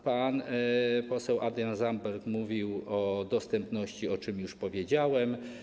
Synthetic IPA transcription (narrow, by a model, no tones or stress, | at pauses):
panpɔsɛwʔad̪janzambɛɾkmuvʲiwɔd̪ɔst̪ɛmpnɔɕt͡ɕiɔt͡ʂɘmjuʂpɔvʲjed͡ʑawɛm